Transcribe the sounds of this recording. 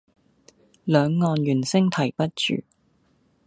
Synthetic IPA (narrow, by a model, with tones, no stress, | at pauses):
lœː˨˧ŋːɔː˨˧njyː˨˩nsɪ˥ŋt̪ʰɐ˨˩jpɐ˥t̚t͡ʃy̰ː˨